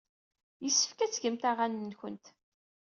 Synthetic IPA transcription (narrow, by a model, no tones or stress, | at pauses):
jəsːə̥fkæt͡sːʝəmt̪aʁanənçə̰nt̪